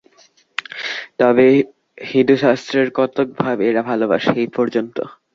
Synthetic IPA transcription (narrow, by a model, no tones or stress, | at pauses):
t̪ɔbe | hind̪uʃast̪ɾeɾkɔt̪ok̚bʱabeeɾabʱaloba̰ʃeejpɔɾd͡ʑont̪o̰